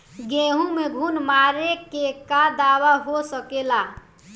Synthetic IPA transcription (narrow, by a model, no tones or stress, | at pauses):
ɡeɦũmeɡʱunmaɾekekad̪awaɦosəkela